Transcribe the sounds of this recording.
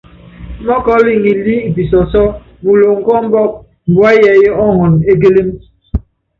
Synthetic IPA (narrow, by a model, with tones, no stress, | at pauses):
mɔ˦kɔ˦li˨ŋi˨li˦i˨pi˨sɔ˨sɔ˦ | bu˨lo˨ŋ̩˦˨kɔ˦m̩˦bɔ˦˨k̚ | m̩˨bwa˦jɛ˨je˦ɔ˦ŋɔ˨ne˦ɡe˦le˦m